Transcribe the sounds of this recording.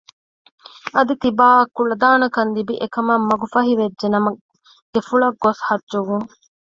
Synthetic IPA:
ɐd̪it̪ibaːɐkːuɭɐd̪aːnɐkɐnd̪ibiʔekɐmɐmːɐɡufɐɦiʋedːʒenɐmɐ | ɡ̥efuɭɐɡoshɐdʒuʋuŋ

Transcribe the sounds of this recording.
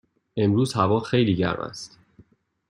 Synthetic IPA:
e̞mɾuːzhævɒːxejliːɟæ̰ɾmʔæ̰st̪

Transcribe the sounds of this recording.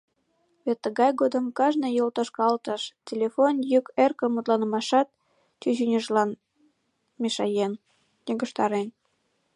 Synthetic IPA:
βet̪ːəɣɑjɡod̪əmkɑʒnɤ̆jolt̪ə̆ʃkɑlt̪əʃtʲelʲefonjykerkə̆mut̪lɑnə̆mɑʃɑt̪̚ | t̪yʑynʲəʒlɑn | meʃɑjen | jeŋɡə̆ʃt̪ɑɾen

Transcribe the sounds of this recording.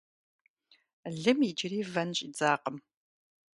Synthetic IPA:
ɮɨmid͡ʒɪɾiːvɐnɕʼid͡zaːqəm

